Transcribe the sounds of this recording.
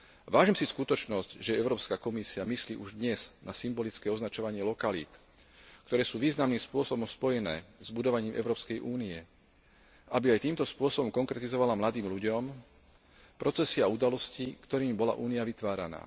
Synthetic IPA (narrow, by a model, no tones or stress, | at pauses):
ʋaːʒiːmsiskut̪ɔt͡ʃnɔscʒɛɛʊɾɔːpskakɔmisiamisliːʔuʒd̪ɲɛz̥nʔasimbɔlit͡skɛːɔznat͡ʃɔʋaɲɪɛlɔkalḭːt̪ | kt̪ɔɾɛːsuːʋiːznamniːmspʊɔsɔbɔmspɔjɛnɛ̰ːzbud̪ɔʋaɲiːmʔɛ̰ʊɾɔːpskɛjʔuːniɛ | ʔabiajt̪iːmt̪ɔspʊɔsɔbɔmkɔŋkɾɛt̪izɔʋalamlad̪iːmʎuɟɔm | pɾɔt͡sɛsiaud̪alɔscikt̪ɔɾiːmbɔla̰ʔuːniaʋit̪ʋaːɾa̰na̰ː